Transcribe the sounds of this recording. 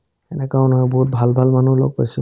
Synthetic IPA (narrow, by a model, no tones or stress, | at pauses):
ɛnɛkaɔnɔjbɔɦut̚bʱalbʱalmanulɔ̰ɡ̚pajsʊ